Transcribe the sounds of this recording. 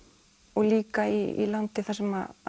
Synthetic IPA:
ɔɣliːkaiḭlant̪ɪθasɛma

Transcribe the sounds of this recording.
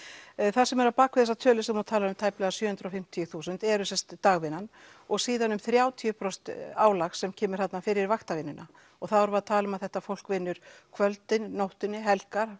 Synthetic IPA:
θasɛmɛɾapaːkʰvɪðɛsat̪ʰœːlɪsɛmɔt̪ʰaːlaʏmt̪ʰajplɛɣasjœːhʏnt̪ɾawfɪm̥t̪ʰijʏθuːsʏnt̪ɛɾʏsɛnst̪t̪aːɣvɪnːanɔɣsiːðanʏmθɾjaːwt̪ʰiʏpʰɾɔst̪aːwlaxsɛmcʰɛːmɪɾ̥θat̪nafɪɾɪɾvaxt̪avɪnːʏna | ɔɣθaðaɾvaðt̪ʰaːlʏmaðθɛht̪afowl̥kvɪnːʏɾ̥kʰvœlt̪ɪnːowht̪ɪnːɪɦɛlkaɾ̥

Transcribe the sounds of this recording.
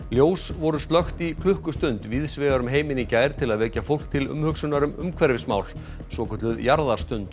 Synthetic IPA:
ljoːwsvɔɾʏsp̪lœxt̪ikʰlʏhkʏst̪ʏnt̪vɪðsvɛːɣaɾʏmɦeːjmɪnicaːjɾ̥t̪ʰɪlaðvɛːcafowl̥k̚t̪ʰɪlʏ̰mhʏksʏnaɾʏmʏ̰mkʰvɛɾvɪsmaːwl | svɔːkʏt̪lʏðjaɾðaɾ̥st̪ʏnt̪

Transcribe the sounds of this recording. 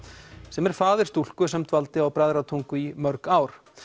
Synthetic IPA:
sɛmɛɾ̥faːðɪ̥t̪ul̥kʏs̬ɛmt̪valt̪ɪawpɾaːjðɾat̪ʰuŋkʏimœɾkaːwɾ̥

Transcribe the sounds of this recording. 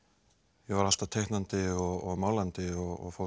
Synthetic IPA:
jɛvaɾal̥t̪ḁt̪ʰejhknant̪ɪɔɣɔɣmaːwlant̪ɪɔɣɔ̰ɣfo

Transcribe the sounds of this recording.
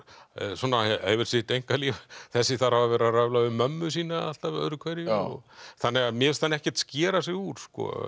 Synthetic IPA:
sɔːnːaḛjvɪɾ̥sɪt̪ejŋkaliːθɛsːɪθaɾhavavɛːɾaravlaʏmœmːʏs̬iːnaal̥t̪av̰ðɾʏkʰvɛɾjʏɔ̰θanːɛɣamjɛvɪst̪θanːɪɛhcɛ̥t̪scɛːɾas̬ɛɣuːɾ̥skɔ̰

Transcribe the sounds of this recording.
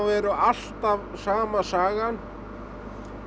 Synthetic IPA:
vɛɾʏal̥t̪avsaːmasaːɣan

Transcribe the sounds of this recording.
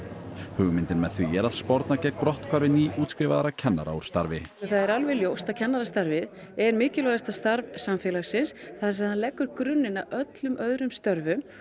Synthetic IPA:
hʏːɣʏmɪnt̪ɪnmɛðθvijɛɾaðspɔɾt̪nacɛkpɾɔht̪kʰaɾvɪniːʔuːt̪skɾɪvaðaɾacʰɛnːa̰ɾa̰uɾ̥st̪aɾvɪθaðɛɾalvɛljoːwst̪aðcʰɛnːaɾast̪aɾvɪð | ɛɾmɪːcɪlɔɣast̪ast̪aɾvsamfɛːlaɣsɪnsθaðs̬aðhanlɛːkːʏɾ̥kɾʏnːɪnaœt̪lʏmʔœðɾʏmst̪œɾvʏ

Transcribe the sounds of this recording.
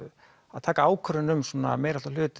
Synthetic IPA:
aðt̪ʰaːkaaːwkʰœɾɪnʏmsuːna̰mɛːjɾalalʏːt̪

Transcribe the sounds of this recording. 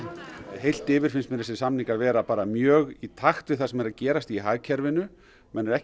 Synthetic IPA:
ɦejl̥t̪ɪːvɪɾ̥fɪnstmɪnɾɛsɪsamniŋkavɛːɾapaːɾamjœːɣit̪ʰaxt̪vɪθasɛmɛɾaðcɛːɾast̪iɦaːɣcʰɛɾvɪnʏ | mɛnːɛɾɛh

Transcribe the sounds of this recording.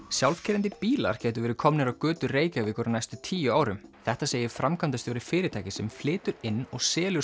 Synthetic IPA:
sjawlfcʰɪːɾɪnt̪̬ɪpiːla̰ɾ̥cɛːjt̪ʏɾvɛːɾɪkʰɔmnɪɾawkʏːt̪ʏreːjcavɪːkʏɾanajst̪ʏt̪ʰiːjʏaːwɾʏmθɛht̪aseːjɪfɾamkʰant̪asjowɾɪfɪːɾɪt̪ʰaːjcɪsɛmflɪːt̪ʏɾɪnːɔɣsɛːljʏ

